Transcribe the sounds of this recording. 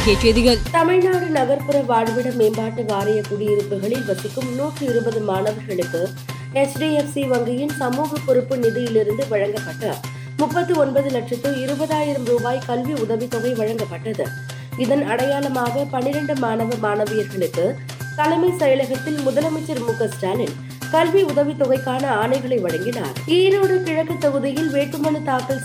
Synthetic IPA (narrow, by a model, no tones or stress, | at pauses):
keːʈːjɐðɪɣɐlt̪ɐmɪɻnaːɾɯnɐɣɐɾpɯɾɐʋaːɻʋɪɽɐmeːmbaːʈːɯʋaːɾɐjɐkʊɽɪjɪɾɯpːɯɣɐɭɪlʋɐt̪ːɪkːɯmnuːʈrɯɪɾɯbɐðɯmaːnɐʋɐɾɣɐɭɯkːɯ | ɛsɖiːɛfsiʋɐŋɡɪjɪnsɐmuːɣɐpːɔɾɯpːɯnɪðɪjɪlɪɾɯnd̪ɯʋɐɻɐŋɡɐpːɐʈːɐ | mʊpːɐt̪ːɯɔnbɐðɯlɐʈʂɐt̪ːɯɪɾɯbɐðaːjɪɾɐmɾuːbaːjkɐlʋiʊðɐʋit̪ːɔɣɐɪʋɐɻɐŋɡɐpːɐʈːɐðɯ̰ | ɪðɐnɐɽɐjaːlɐmaːɣɐpɐnɪɾɐɳɖɯmaːnɐʋɐmaːnɐʋɪjɐɾɣɐɭɯkːɯ | k̪ɐlɐmɐɪsɐjɐlɐɣɐt̪ːɪlmʊðɐlɐmɐɪt͡ʃːɐɾmʊkːɐsʈaːlɪn | kɐlʋiʊðɐʋit̪ːɔɣɐɪkːaːnɐaːnɐɪɣɐɭɐɪʋɐɻɐŋɡɪna̰ːɾiːɾoːɽɯkɪɻɐkːɯt̪ːɐɣɯðɪjɪlʋeːʈːɯmɐnɯt̪aːkɐɭ